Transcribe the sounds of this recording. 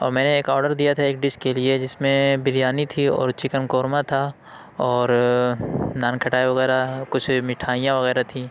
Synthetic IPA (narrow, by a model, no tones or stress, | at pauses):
ɔ̰ːɾmɛ̃ːneːkɔːɾɖəɾd̪ijat̪ʰaeːkɖɪʃkelied͡ʒɪsmẽbɪljaːnit̪ʰiɔ̰ːɾt͡ʃɪkənkoːɾmãt̪ʰa | ɔːɾ | naːnkʰɐʈaːeʋɐɣɛːɾakʊt͡ʃʰmɪʈʰaːijãʋɐɣɛːɾat̪ʰĩː